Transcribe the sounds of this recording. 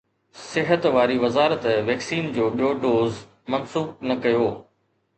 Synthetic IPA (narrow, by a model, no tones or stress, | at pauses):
sɪɦət̪ʋaːɾiʋɐzaːɾət̪ʋɛːksiːnd͡ʑoːɓijoːɖoːz | mɐnsuːb̚nɐkɐjoː